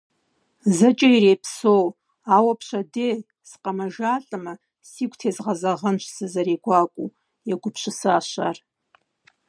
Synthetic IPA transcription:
zɨt͡ʃʼairejpʰsow | awapʰʃʷadej | sqʼamaʒaɬʼɨma | sikʷʰtʰezʁazaʁənt͡ʃʷʰsɨzaɾeɡʷakʷʼu | jaɡʷʊpʰʃʷɪsaaʃʷa̰r

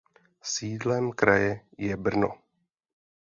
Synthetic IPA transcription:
siːdlɛmkɾajɛjɛbr̩no̰

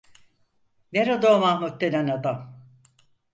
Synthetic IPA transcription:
veɾad̪omahmut̪̚ːenanad̪am

